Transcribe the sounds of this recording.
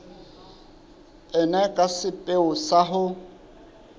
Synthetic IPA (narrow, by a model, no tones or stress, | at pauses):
ɛnɛkʼasɪpʼeʊsaɦʊ